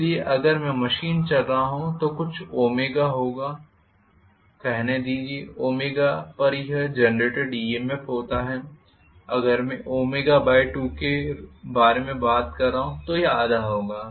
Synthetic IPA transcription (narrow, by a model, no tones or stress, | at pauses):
ɪlieʔɐɡəɾmɛ̃mɐʃiːnt͡ʃɐlɾaaɦũt̪okʊt͡ʃʰoːmeːɡaɦoːɡaː | kɛɦned̪iːd͡ʒieoːmeːɡapɐɾɦɛd͡ʒɐnɾeːʈeɖɖiːemefɦoːt̪aɦɛː | ɐɡəɾmɛ̃ʔoːmeːɡabaːjʈuːkebaːɾemẽbaːt̪kɐɾːaːɦũt̪ojeaːd̪aɦoːɡaː